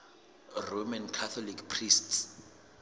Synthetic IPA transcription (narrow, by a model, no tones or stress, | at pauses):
romankʰat̪ʰɔlikpʰrists